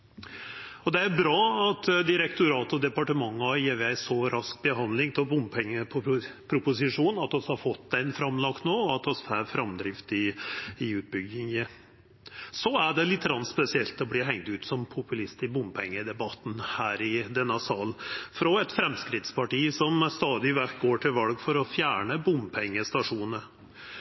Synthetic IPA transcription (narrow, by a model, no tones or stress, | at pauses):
ɔd̪ɛæɾbɾɑːɑt̪d̪ɪɾɛkt̪ʊɾɑːt̪ɔd̪ɛpɑʈəmɑŋːɑjeːʋɛæɪsɔɾʔɑsk̚bəɦɑnd̪lɪŋt̪ʰɛbʊmpʰɛŋːəpʰɔpʰɾʊpʊsɪʂuːnɑt̪ɔshɑɾfɔt̪ːæɪnfɾɑmːlɑkt̪noːɔɑt̪ɔsfæɾfɾɑmd̪ɾɪft̪ɪɪʉːt̪̚bʏɡɪŋə | sɔæɖɛlɪt̪ʰːəɾɑnspɛsɪɛlt̪ɔbliːɦɛŋt̪ʉːt̪sɔmpʰʊpʉlɪst̪ɪbʊmpʰɛŋːəd̪ɛbɑt̪n̩hæːɾɪd̪ɛnːəsɑːlfɾɔɛt̪fɾɛmskɾɪt̪spʰɑʈiːsɔmst̪ɑːd̪ɪʋæk̚ɡoːʈʰɪlʋɑlɡfɔɾɔfjæːɳəbʊmpʰɛŋːəst̪ɑʂuːnə